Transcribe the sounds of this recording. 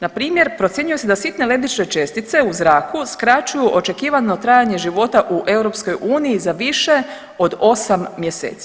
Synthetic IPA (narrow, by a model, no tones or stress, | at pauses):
napɾiːmje̞ɾpɾo̞t̪sjeɲuje̞sed̪asit̪ne̞le̞bit͡ʃne̞t͡ʃe̞st̪it̪se̞uzɾaːkuskɾat͡ʃujuʔo̞t͡ʃe̞kiːʋano̞t̪ɾaːjaɲe̞ʒiʋo̞t̪aʔuʔe̞wɾo̞psko̞jʔuːnijizaʋiʃe̞ | o̞d̪o̞samːje̞sḛːt̪si̥